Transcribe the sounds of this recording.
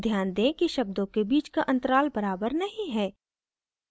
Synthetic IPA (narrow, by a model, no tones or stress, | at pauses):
d̪ʱjaːnd̪ẽkiʃɐb̚d̪õkebiːt͡ʃkaʔɐ̃nt̪əɾaːlbɐɾaːbəɾnɐɦĩɦɛː